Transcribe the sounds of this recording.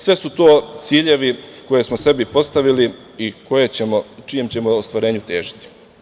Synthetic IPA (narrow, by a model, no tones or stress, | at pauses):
sʋe̞sut̪o̞ːt̪siːʎe̞ʋiko̞je̞smose̞bipo̞st̪aʋili | iko̞jet͡ɕemot͡ʃijemt͡ɕe̞moost̪ʋaɾe̞ːɲut̪e̞ːʒit̪i̥